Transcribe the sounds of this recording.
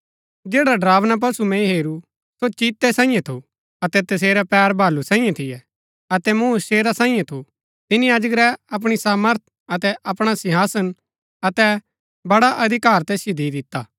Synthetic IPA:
d͡ʒeːɽaɖɾaːʋnap̬ɐsumɛ̃ɦeːɾu | sot͡ʃiːt̪ːɛsãːĩjãt̪ʰu | ɐt̪ɛt̪ɐs̬eːɾɛpɛːɾbʱaːlusãːĩjãt̪ʰɪjɛ | ɐt̪ɛmuːʃeːɾasãːĩjãt̪ʰu | t̪ɪnijaːd͡ʒəkɾɛɐp̬ɽ̃isaːməɾt̪̚ʰ | ɐt̪ɛʔɐpɽ̃asɪɦaːsən | ɐt̪ɛ | bɐɽaʔɐd̪ʱɪkaːɾt̪ɛːsjod̪ʱid̪ɪt̪ːaː

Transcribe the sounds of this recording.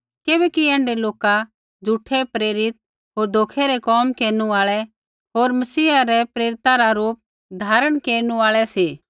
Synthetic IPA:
kebɛkiɛ̃ːɳɖeloːka | d͡zʱuʈʰɛpɾeːɾɪt̪̚ | ɦoːɾd̪ʱoːkʰɛɾɛkɔːmkeːɾnuaːɭɛ | ɦoːɾmɐsiːaɾɛpɾeːɾɪt̪aɾaɾuːp̚ | d̪ʱaːɾəɽ̃keːɾñuaːɭɛseː

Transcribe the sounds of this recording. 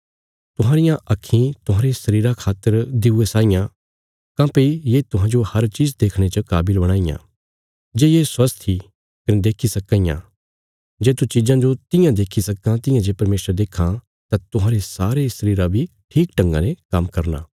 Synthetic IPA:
t̪ʊɦãːɾɪjãʔɐkʰːĩt̪ʊɦãːɾesɐɾiːɾakʰaːt̪ːəɾd̪ɪuesaːɪjã | kãːpijeːt̪ʊɦãːd͡ʒohɐɾt͡ʃiːd͡ʒd̪eːkʰɽ̃et͡ʃɐkaːbɪlbɐɽ̃aːɪjã̰ː | d͡ʒeːjeswɐst̪ʰːi | kɐned̪eːkʰisɐkːãɪjã̰ | d͡ʒeːt̪ut͡ʃiːd͡ʒãd͡ʒot̪ɪ̃jãd̪eːkʰisɐkãt̪ɪ̃jãd͡ʒeːpɐɾmeːsəɾd̪eːkʰã | t̪ãt̪ʊɦãːɾesaːɾesɐɾiːɾabʱi | ʈʰiːkʈɐ̃ŋɡã̰nekɐmkɐɾna̰ː

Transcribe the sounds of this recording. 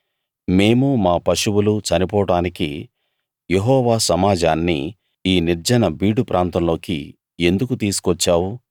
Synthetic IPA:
me̞ːmumaːpɐʃuwulut͡ʃɐnipɔːɽaːnikḭ | jeɦɔːʋaːsɐmaːd͡ʒaːnːḭ | iːniɾd͡ʒɐnɐbiːɽupɾʔaːnt̪ɐmlo̞ːkḭ | end̪ukut̪iːsu̥kʋɔt͡ʃːaːwu

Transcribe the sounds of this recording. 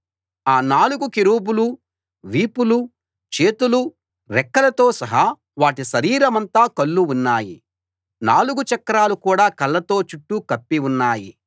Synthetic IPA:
aːnaːluɡukiɾuːbulu | ʋiːpulu | t͡ʃe̞ːt̪ulu | ɾɛkːɐlɐt̪o̞ːsɐɦɐ | ʋaːʈiʃɐɾiːɾɐmɐnt̪aːkɐɭːuunːaːjḭ | naːluɡut͡ʃɐkːɐɾaːlukuːɽaːkɐlːɐt̪o̞ːt͡ʃuʈːukɐpːiunːaːji

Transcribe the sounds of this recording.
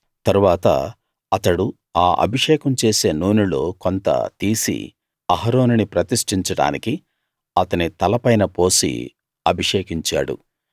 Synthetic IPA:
t̪ɐɾuʋaːt̪ɐ̰ | ɐt̪ɐɽu | aːʔɐ̰bʱiʂɛːkɐmt͡ʃeːse̞ːnuːnulo̞ːkont̪ɐ̰t̪iːsḭ | ɐɦɐɾoːninipɾɐt̪iʂʈiɲt͡ʃɐɽa̰ːniki | ɐt̪ɐnit̪ɐlɐpɐjnɐpo̞ːsḭ | ɐbʱiʂɛːkiɲt͡ʃa̰ːɽṵ

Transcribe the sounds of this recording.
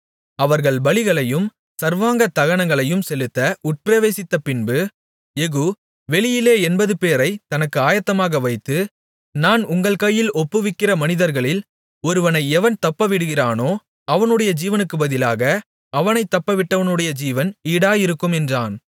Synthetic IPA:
ɐʋɐɾɣɐɭbɐɭɪɣɐɭɐjɯm | sɐɾʋaːŋɡɐt̪ɐɣɐnɐŋɡɐɭɐjɯmsɛlɯt̪ːɐʊʈ̚pɾɐʋeːsɪt̪ːɐpɪnbɯ | ɛɣɯ | ʋɛɭɪjɪleːɛnbɐðɯpeːɾɐɪt̪ɐnɐkːɯaːjɐt̪ːɐmaːɣɐʋɐɪt̪ːɯ | naːnʊŋɡɐɭkɐjːɪlɔpːɯʋɪkːɪrɐmɐnɪðɐɾɣɐɭɪl | ɔɾɯʋɐnɐɪɛʋɐnt̪ɐpːɐʋɪɽɯɣɪraːnoː | ɐʋɐnɯɽɐjɐd͡ʒiːʋɐnɯkːɯbɐðɪlaːɣɐ | ɐʋɐnɐɪt̪ːɐpːɐʋɪʈːɐʋɐnɯɽɐjɐd͡ʒiːʋɐniːɽaːjɪɾɯkːɯmɛndraːn

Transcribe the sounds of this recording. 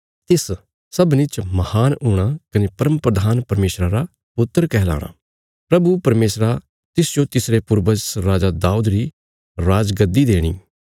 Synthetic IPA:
t̪ɪs | sɐbnɪt͡ʃmɐhaːnʊɽ̃akɐnepɐɾəmpɾəd̪ʱaːnpɐɾmeːsɾaɾa | pʊt̪ːəɾkɛɦla̰ːɽ̃a̰ː | pɾɐbupɐɾmeːsɾa | t̪ɪsd͡ʒot̪ɪsɾepʊɾbəsɾaːd͡ʒad̪aːud̪ɾi | ɾaːd͡ʒɡəd̪id̪eːɽ̃ḭː

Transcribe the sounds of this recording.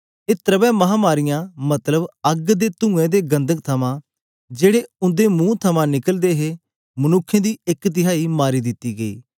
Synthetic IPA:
eːt̪ɾəbɛ̃ːməɦãːmaːɾɪjãːmət̪ləbəɡd̪eːt̪ʊ̃ːẽːd̪eːɡə̃nd̪ək̚t̪ʰəmãː | d͡ʒeːɽeːʊ̃nd̪eːmũːt̪ʰəmãːnɪkəld̪eːɦeː | mənʊkʰːẽːd̪iːɪkt̪ɪɦaːiːmaːɾiːd̪ɪt̪ːiːɡəḭː

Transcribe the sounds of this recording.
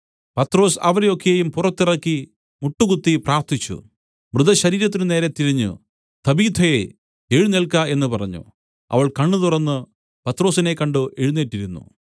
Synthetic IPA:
pɐt̪ro̞ːsɐ̰ʋɐɾejo̞kːe̞jumpurɐt̪ːirɐkːi | muʈːukut̪ːipraːrt̪ʰit͡ɕːṵ | mrɨd̪ɐɕɐɾiːɾɐt̪ːinɨne̞ːɾet̪ːiɾɐɲːṵ | t̪ʰɐbiːt̪ʰɐje | eɻunelɭkːae̞nːɨpɐrɐɲːṵ | ɐ̰ʋɐɭkɐɳːɨt̪urɐnːɨ | pɐt̪ro̞ːsine̞kːɐɳɖɨʔeɻunːeʈːiɾunːṵ

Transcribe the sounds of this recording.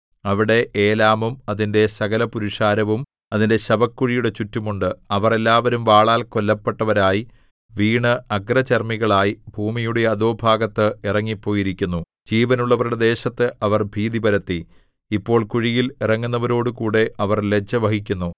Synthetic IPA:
ɐʋiɽe̞ʔeːlaːmumɐðinde̞sɐɣɐlɐpuɾiʂaːɾɐʋum | ɐðinde̞ɕɐbɐkːuɻijuɽe̞t͡ɕutːumuɳɖɨɐʋɐre̞lːaːʋɐɾumʋaːɭaːlko̞lːɐpːe̞ʈːɐʋɐɾaːji | ʋiːɳɨʔɐɡrɐt͡ɕɐrmiɣɐɭaːjibʱuːmijuɽe̞jɐðoːbʱaːɡɐt̪ːɨirɐŋːipːo̞ːjiɾikʲːunːu | d͡ʑiːʋɐnuɭːɐʋɐɾuɽe̞d̪e̞ːɕɐt̪ːɨʔɐʋɐrbʱiːðibɐɾɐt̪ːi | ipːo̞ːɭkuɻijilirɐŋːunːɐʋɐɾo̞ːɽukuːɽe̞ʔɐʋɐrle̞t͡ɕːɐʋɐhik̬ʲːunːu

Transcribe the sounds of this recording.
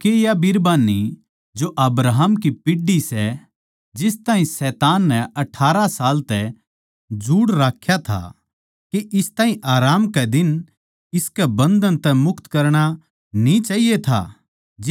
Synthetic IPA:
kejabiɾbaːnːi | d͡ʒoʔɐbɾaːɦəmkipɪɖisɛ | d͡ʒɪst̪aːɦĩsɛːt̪aːnːɛɐʈʰːaːɾasaːlt̪ɛ | d͡ʒuːɽɾaːkʰjat̪ʰa̰ | keʔɪst̪aːɦĩʔaːɾaːmkɛd̪ɪn | ɪskɛbɐ̃nd̪ənt̪ɛmʊkt̪kɐɾɽ̃a | nĩt͡ʃaːɦijet̪ʰa̰ | d͡ʒ

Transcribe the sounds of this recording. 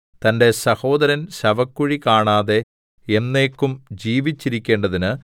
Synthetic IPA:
t̪ɐnde̞sɐho̞ːd̪ɐɾɐnɕɐʋɐkːuɻikaːɳaːðe̞ | enːe̞ːkːumd͡ʑiːʋit͡ɕːiɾikʲːe̞ːɳɖɐðinɨ

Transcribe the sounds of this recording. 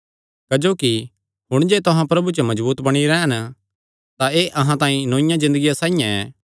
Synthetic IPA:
kɐd͡ʒoːki | ɦʊɽ̃d͡ʒeːt̪ʊɦãpɾɐbut͡ʃomɐd͡ʒbuːt̪bɐɽ̃iɾɛːən | t̪aeːʔɐɦãt̪ãːĩnõːɪ̃jãzɪ̃nd̪əɡijasãːijãɛ̰ː

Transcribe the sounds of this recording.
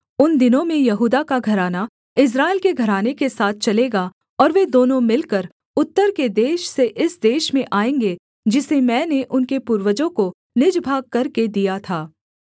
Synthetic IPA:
ʊnd̪ɪnõmẽjɐɦuːd̪akaɡʱɐɾaːna | ɪs̬ɾaːɪlkeɡʱɐɾaːnekesaːt̪̚ʰt͡ʃɐleːɡa | ɔːɾʋed̪oːnõmɪlkəɾ | ʊt̪ːəɾked̪eːʃseʔɪsd̪eːʃmẽʔaːẽːŋɡe | d͡ʒɪsemɛ̃ːneʔʊnkepuːɾʋəd͡ʒõko | nɪd͡ʒbʱaːɡ̚kɐɾked̪ijat̪ʰaː

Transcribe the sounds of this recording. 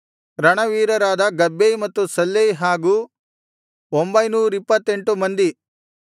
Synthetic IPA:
ɾɐɳɐʋiːɾɐɾaːd̪ɐɡɐbːejmɐt̪ːusɐlːejɦaːɡuː | ombɐjnuːɾipːɐt̪ːe̞ɳʈumɐnd̪i

